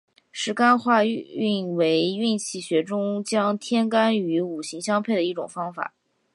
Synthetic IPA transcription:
ʂɻ̩˧˥ka˥nxwa˥˧y˥˩nwe˧˥ɪy˥˧nt͡ɕʰi˥˩ɕɥɛ˧˥ʈ͡ʂʊ˥ŋt͡ɕjɑ˥ŋt̪ʰjɛ˥nka˥ny˧˥u˨˩ɕi˧˥ŋɕjɑ˥ŋpʰe˥˩ɪd̪ə˩˧i˥˩ʈ͡ʂʊ̰˨˩ŋfɑ˥ŋfa̰˨˩˦

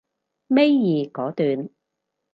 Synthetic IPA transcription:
me˥jːiː˨kɔː˨˥t̪yː˨n

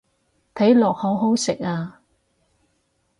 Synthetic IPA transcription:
t̪ʰɐ˨˥jlɔː˨k̚ho˨˥wɦo˨˥wsɪ˨k̚aː˧

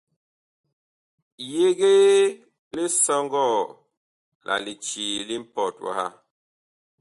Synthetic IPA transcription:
je˦ɡe˦ | li˦sɔ˦ŋɡɔ˦˨ | lʔa̰˨li˨t͡ʃi˨li˦m̩˦pɔ˨twa̰˨ha̰˦

